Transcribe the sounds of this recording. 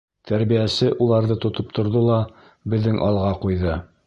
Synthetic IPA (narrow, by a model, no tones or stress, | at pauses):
t̪ʰæɾβijæsɘʔulˠɑɾðɤt̪ŏt̪op̚t̪ŏɾðolˠɑ | bɘ̆ðːɘŋʔɑlˠʁɑqujðɤ